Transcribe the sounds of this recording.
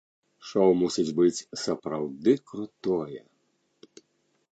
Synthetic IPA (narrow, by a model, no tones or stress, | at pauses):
ʂɔwmusʲid͡zʲbɨt͡sʲsɐpɾawd̪ɨkɾut̪ɔjɛ